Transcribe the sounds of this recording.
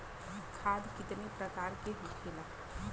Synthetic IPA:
kʰaːd̪kɪt̪nepɾəkaːɾkeɦokʰena

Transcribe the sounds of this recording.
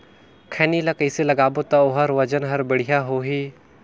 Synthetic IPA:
kʰɛːnilɐkɐɪselɐɡaːbot̪ɐoɦɐɾʋɐd͡ʒənɦɐɾbɪɽ̤ijaɦoːɦiː

